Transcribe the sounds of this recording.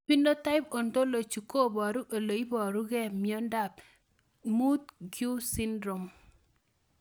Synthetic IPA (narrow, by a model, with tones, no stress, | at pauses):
pi˦ndo˦ta˦ɪ˦po˨nto˦lo˨t͡ʃu˨ko˦˨bɔ˨ɾu˦ʔo˨lo˨i˦bɔ˨ɾu˦ɡɛ˦mjo˦nda˦˨p̚ | mu˦t̚ɡju˦si˦ndɾo˨m